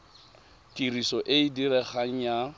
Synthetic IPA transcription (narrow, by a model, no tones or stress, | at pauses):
tʼirisɔʔeidiɾɛχaŋ̩ja